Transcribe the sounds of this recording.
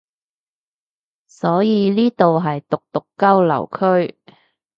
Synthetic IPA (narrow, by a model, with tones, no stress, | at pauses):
sɔː˨˥jiː˨˧niː˥t̪o˨wɦɐ˨jt̪ʊ˨k̚t̪ʊ˨kːɐ˥wlɐ̰˨˩wkʰɵ˥ɥ